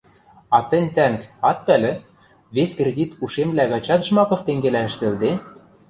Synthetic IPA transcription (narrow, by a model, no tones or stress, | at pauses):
ɑt̪ɘ̆nʲt̪æŋkɑt̪̚pælɘ̆ | βeskrʲed̪ʲit̪uʃemβlæɣɑt͡ɕɑt̪ʒmɑkɤ̆ft̪eŋɡelæɘ̆ʃt̪ɘ̆ld̪e